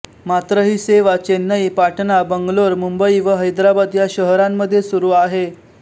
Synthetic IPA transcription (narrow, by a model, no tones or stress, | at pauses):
mat̪ɾəɦiːseʋat͡ɕenːəipaʈnabəŋɡloɾmumbəiʋəɦəjd̪ɾabad̪jaɕəɦɾamːəd̪ʱːjesuɾuːaɦe